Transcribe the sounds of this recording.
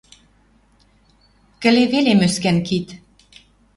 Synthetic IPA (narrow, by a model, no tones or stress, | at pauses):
kə̆leβelemøskænkit̪